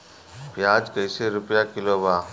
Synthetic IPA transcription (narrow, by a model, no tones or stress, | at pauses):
pjaːd͡ʒkəjseɾʊpjakɪloːbaː